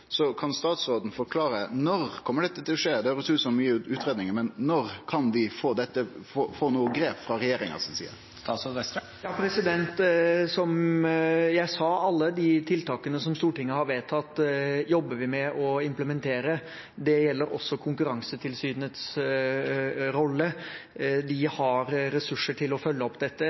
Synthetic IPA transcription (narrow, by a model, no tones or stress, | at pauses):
sɔkʰɑnst̪ɑːt̪sɾoːd̪n̩fɔɾkʰlɑːɾənɔɾkʰɔmːəɖɛt̪ːət̪ʰɪlɔʂeːd̪ɛhɑɾʊt̪ʰʉːsɔmyːəʉːt̪ɾeːd̪nɪŋəmɛnːɔɾkʰɑnʋɪfoːd̪ɛt̪ːəfofoːnuːəɡɾeːpfɾɑɾɛjeːɾɪŋɑ̰sɔnsḭːə̰ɾ | st̪ɑsɔɛ | jɑːpʰɾɛsɪd̪ɛnt̪sɔm | jæɪsɑɑlːəd̪ɪt̪ʰɪlt̪ʰɑːkənəsɔmst̪uːʈɪŋːəhɑɾʋeːt̪ʰːɑt̪ːjɔbːəʋɪmɛʔɔɪmpləmɛnt̪ʰeːɾə | d̪ɛjɛlːəɾɔ̰sːɔkʰʊŋkʉɾɑŋsət̪ʰɪlsyːd̪nət̪s | ɾɔlːə | d̪ɪhɑɾɾɛsʉʂːəʈʰɪlɔfœlːəɔpːd̪ɛt̪ːə